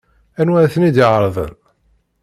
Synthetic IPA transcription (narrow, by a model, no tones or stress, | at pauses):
ænwæθənid̪iʕəɾˤðˤə̰n